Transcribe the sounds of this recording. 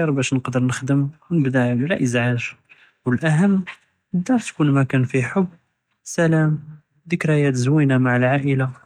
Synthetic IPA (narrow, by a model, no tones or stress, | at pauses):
ɑɾˤbæʃnəqd̪əɾˤnəxd̪əmwnəbd̪aʕllæʔəzʕaʒ | wəlʔæɦəmː | əd̪ɑɾˤt̪kunmækænfiħobː | sælæm | d̪əkɾæjæt̪zwinamaʕəlʕaʔəla